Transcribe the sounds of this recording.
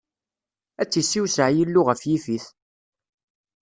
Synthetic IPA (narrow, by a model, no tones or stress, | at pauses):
æt͡sːisːiwsəʕjilːʊʁəfjifiθ